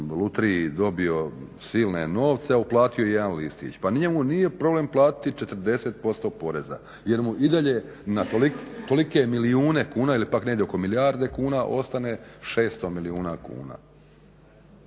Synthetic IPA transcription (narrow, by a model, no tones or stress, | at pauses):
lut̪ɾid̪o̞bio̞siːlˠne̞no̞ːʋt̪seauplˠaːt̪ijojejed̪anlist̪ḭt͡ɕpanɲemunije̞pɾo̞ble̞mplˠaːt̪i̥t̪it͡ʃe̞t̪ɾ̩d̪e̞set̪̚po̞st̪o̞po̞ɾeza̰ | je̞ɾmuʔid̪aʎe̞ | nat̪olikt̪o̞likemiliuːne̞kuːnaːilipaknejd̪eoko̞miliaːɾd̪e̞kuːnaʔo̞st̪aneʃe̞ːst̪o̞miliuːnakṵːna̰ː